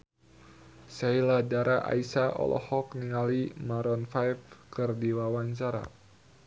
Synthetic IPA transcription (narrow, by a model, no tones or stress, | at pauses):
sailadaɾaʔa̰isaʔɔ̰lʔɔ̰hɔk̚niŋalimaɾɔnfajfkɨrdiwawaɲt͡ʃaɾa̰